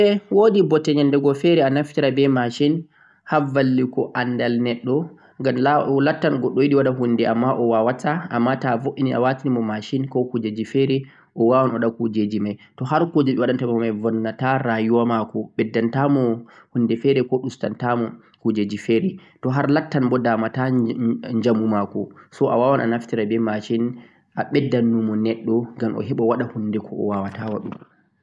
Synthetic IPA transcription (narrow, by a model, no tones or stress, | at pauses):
ɛwodibɔtːɛɲandɛɡɔfɛɾɛanaftiɾabɛmaʃin | havalːikɔʔandalnɛɗːɔ | ŋɡamlalatːanɡɔɗːɔjiɗiwaɗaɦundɛʔamːaʔɔwawataamːatavoʔinia̰watinimɔmaʃinkɔkud͡ʒed͡ʒifɛɾɛ | ʔɔwawanɔɗakud͡ʒed͡ʒimajtɔɦaɾkud͡ʒeɗiwaɗantamɔmajvɔnːataɾajuwamakɔɓɛdːantamɔ | hunːdɛfɛɾɛkɔɗustantamɔ | kud͡ʒed͡ʒifɛɾɛtɔɦaɾlatːanbɔdaːmataɲd͡ʒamumakɔsɔʔawawanʔa̰naftiɾabɛmaʃin | ʔaɓɛdːanːumɔnɛɗːɔŋɡamʔɔ̰ɦɛɓɔwaɗahunːdɛkʰɔɔ̰wawatawaɗṵm